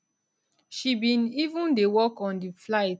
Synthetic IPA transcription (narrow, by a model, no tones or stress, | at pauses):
ʃibĩnivũndewɔkɔ̃ndiflaɪt